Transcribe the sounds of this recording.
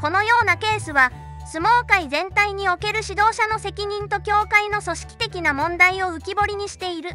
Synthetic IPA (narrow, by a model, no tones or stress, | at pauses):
ko̞no̞jo̞ːnake̞ːsɨβa | sɨmo̞ːkaizẽ̞nt̪aiɲ̟io̞ke̞ɾɯ̟ɕid̪o̞ːɕano̞se̞kʲiɲ̟ĩnt̪o̞kʲo̞ːkaino̞so̞ɕi̥kʲi̥t̪e̞kʲinamõ̞nd̪aio̞ɯ̟kʲibo̞ɾʲiɲ̟iɕi̥t̪e̞iɾɯ̟